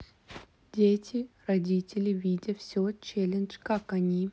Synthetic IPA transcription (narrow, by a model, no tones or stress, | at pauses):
dʲetʲɪrɐdʲitʲɪlʲɪvʲidʲəfsʲot͡ɕelʲɪnt͡ʃkakɐnʲi